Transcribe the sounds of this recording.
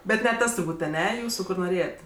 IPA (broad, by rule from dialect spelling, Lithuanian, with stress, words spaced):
ˈbʲɛt nʲɛ ˈtɐs tʊrˈbuːtʲ ɐˈnʲɛ ˈjuːsʊ ˈkʊr noːˈrʲeːjɛtʲ